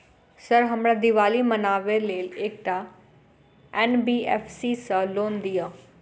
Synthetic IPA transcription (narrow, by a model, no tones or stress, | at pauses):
səɾɦəmɽaːd̪ɪʋaːliːmənaːʋeːleːleːk̚ʈaː | ɛːnbiːɛːpʰsiːsaloːnd̪ɪjaː